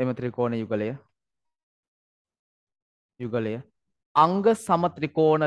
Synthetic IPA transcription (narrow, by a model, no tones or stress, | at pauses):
emət̪ɾikoːnəjuɡələjə | juɡələjə | ɐŋɡəsɐmɐt̪rikoːnə